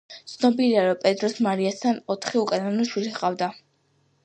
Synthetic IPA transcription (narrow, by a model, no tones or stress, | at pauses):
t̪sʰnɔbiliaɾɔpʼɛt̪ʼɾɔsmaɾiast̪ʰanɔt̪ʰχiukʼananuʃwilisqʼavd̪a